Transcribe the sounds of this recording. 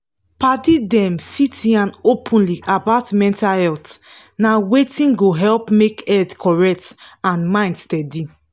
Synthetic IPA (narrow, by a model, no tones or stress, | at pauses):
padidɛ̃mfitiãnopʰũnliʔabatmɛ̃ntahɛlt | nawetĩnɡoɦɛlpmekɛdkʰɔɹɛk̚tãnmãɪ̃ndstɛdi